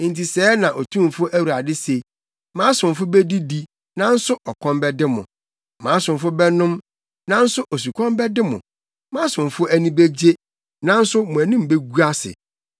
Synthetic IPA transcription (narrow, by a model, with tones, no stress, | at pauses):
n̩˨ti˨sɛː˦nã˨ʔo˨tʰũ˦m˨fʊ˦ʔæ˦wu˨ɾa˨dɪ˦se˨i˨ | mãː˨˦sʊ̃˨m˨fʊ˦be˦di˦di˦ | nã˦n̩˦sʊ˦ʔɔ˨kʰɔ̃˦mbɛ˦dɪ˦mʊ̰̃˨ | mã˨˦sʊ̃˨m˨fʊ˦bɛ˦nʊ̃˦m | nã˦n̩˦sʊ˦ʔo˨s̬u˨kʰɔ̃˦mbɛ˦dɪ˦mʊ̰̃˨ | mã˦sʊ̃˨m˨fʊ˦ʔæ˦nĩ˦be˦d͡ʑe˦ | nã˦n̩˦sʊ˦mʊ̃˨æ˨nĩ˦m˨be˦ɡu˦a˦sɪ̰˨